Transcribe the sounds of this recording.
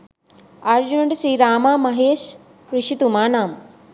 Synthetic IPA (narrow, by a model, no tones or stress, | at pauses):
aːɾd͡ʑunɐɳʈʃɾiːɾaːmaːmɐɦeːʃ | ɾiʃit̪umaːnaːm